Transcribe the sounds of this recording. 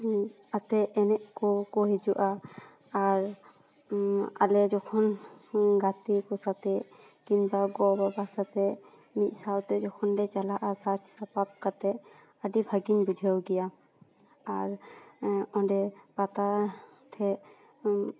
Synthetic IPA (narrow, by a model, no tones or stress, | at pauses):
at̪ɛʔɛnɛʔkɔkɔɦɛd͡ʒuʔa | aɹ | a̰lɛd͡ʒɔkʰɔn | ɡat̪ikɔsat̪ɛ | kinbaɡɔbabasat̪ɛ | mit̪̚ˀsawt̪ɛd͡ʒɔkʰɔndɛt͡ʃalaʔasat͡ʃʰsapap̚kat̪ɛ | adibʱaɡinbudʱɛwɡija | aɹ | ɔ̃dɛpat̪a | tʰɛ